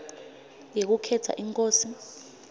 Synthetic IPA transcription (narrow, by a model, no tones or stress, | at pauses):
jek̬ukʰɛtʰa̰ʔiŋkʼoːsi